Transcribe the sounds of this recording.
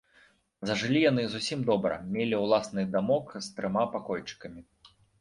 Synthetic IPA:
zɐʐɨlʲijan̪ɨzusʲimd̪ɔbɾɐ̰mʲelʲiwlˠasnɨd̪amɔkst̪ɾɨmapakɔjt͡ʂɨ̥kɐmʲi

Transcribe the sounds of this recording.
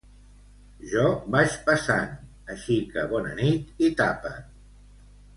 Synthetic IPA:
ʒɔbaʃpəsa̰n | əʃikəβɔnə̰nit̪it̪apə

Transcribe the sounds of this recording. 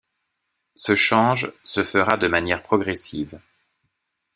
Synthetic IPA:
səʃɑ̃ʒsəfəʁad̪əmanjɛʁpχɔɡʁɛsiːv

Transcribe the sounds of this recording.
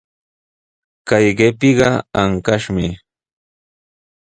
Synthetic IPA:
kajɢepɪɢɑaŋkaʃmɪ

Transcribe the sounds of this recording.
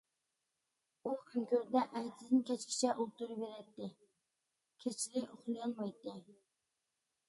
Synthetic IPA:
ukyŋkʲʰøɾd̪ɛʔæjt̪ʰɪd̪ɪnkʲɛt͡ʃkʲʰɪ̥t͡ʃʰɛʔulˠt̪uɾɨbeɾɛt̪ːɪ | kʲʰet͡ʃʰlɪʔoχlˠjɑnmɑjt̪ːɪ

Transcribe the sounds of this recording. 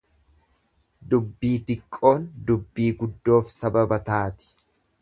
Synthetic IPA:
d̪ʊbːiːt̪ɪkʼːo̞ːnd̪ʊbːiːɡʊd̪ːo̞ːfsɐbɐbɐt̪aːt̪ɪ̥

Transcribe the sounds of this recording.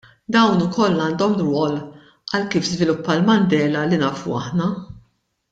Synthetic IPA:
d̪ɐwnʊkɔlːɐːnd̪ɔmɾwɔːl | ɐlkiːfzvɪlʊpːɐlmɐnd̪ɛːlɐlinɐːfṵɐ̰ħnɐ

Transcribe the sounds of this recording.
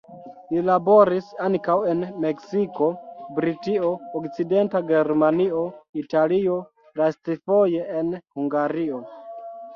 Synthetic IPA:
lilabo̞ɾisaŋkawe̞nme̞ksiko̞bɾitio̞ːkt͡side̞ntaɡeɾmanio̞italio̞ | lastifo̞je̞enhuŋɡaɾio̞

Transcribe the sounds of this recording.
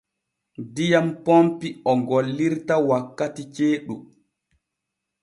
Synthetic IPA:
dijampompiɔɡolːiɾtawakːatit͡ʃeːɗu

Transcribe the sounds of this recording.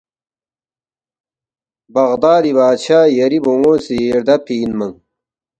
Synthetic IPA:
bɐʁd̪aːd̪iβaːt͡ɕʰaːjɐɾiboŋoːsiɾd̪ɐpʰiːnmɐŋ

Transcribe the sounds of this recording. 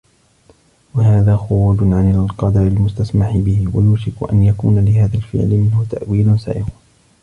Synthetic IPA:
wahaːðaːxʊɾuːd͡ʒʕanalqɑd̪ɑɾɪlmʊst̪asmaħɪbɪhɪwa̰juːʃɪkʊʔa̰njakṵːnalɪhaːðalfɪ̰ʕlɪmɪnhʊt̪aʔwiːlʊnsa̰ːʔɪqʊ

